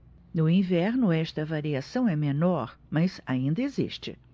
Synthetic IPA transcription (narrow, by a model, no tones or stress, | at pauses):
nʊĩvɛɾnʊɛst̪ɐvaɾiasɐ̃w̃ɛmenɔɾmɐzaĩnd̪ɐezḭʃt͡ʃɪ̰